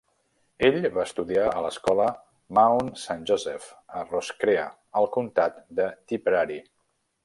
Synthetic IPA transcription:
eʎβaəst̪uðiaələskɔlə | maunsanʲʒozɛfəroskɾeə | əlˠkunt̪at̪d̪ət̪ipɾaɾi

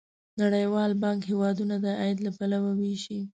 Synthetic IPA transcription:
naɽəjwɑlbɑŋkhewɑd̪unad̪əʔajd̪lapalawaweʃi

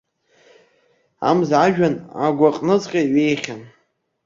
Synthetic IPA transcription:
a̰mzʕaʒᶣana̰ɡʷaqʼnɨt͡sʼqʲʼaɥejχʲan

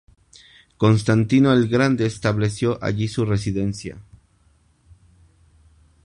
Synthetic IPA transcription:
ko̞ns̬t̪ant̪inoelɡɾand̪e̞ːst̪aβle̞sjo̞ʔa̰ʝisure̞s̬iðe̞nsja̰

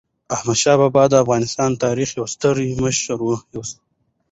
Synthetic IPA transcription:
ahmad̪ʃɑːbɑbɑd̪əːfɣɑnɪst̪ɑnt̪ɑɾixjawst̪əɾiməʃɾwujos

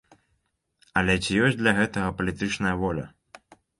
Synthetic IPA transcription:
ɐlʲɛt͡sʲijɔsʲd̪lʲɐɣɛt̪ɐɣɐpɐlʲit̪ɨt͡ʂnɐjɐvɔlʲɐ̰

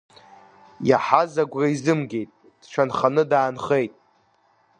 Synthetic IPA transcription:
jaħazaɡʷraizɨmɡʲe̞jtʼ | d̥t͡ʃʷʰanχanɨdaːnχejtʼ

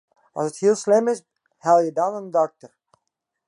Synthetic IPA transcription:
ʔɑ̰lˠsəthiːlˠslɪmɪs | hɛlˠjədawnənədɔk̚təɹ

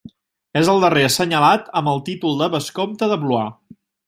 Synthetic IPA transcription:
ezəlˠd̪əresəɲəlat̪əmbəlˠt̪it̪ulˠd̪əβəskomt̪əðəβlua

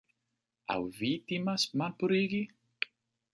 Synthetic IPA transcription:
a̰wvit̪imasmalpuɾiɡi

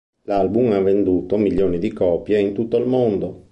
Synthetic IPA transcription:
lalbumavːend̪uːt̪omiljoːnid̪ikɔːpjeint̪ut̪ːoilmond̪o

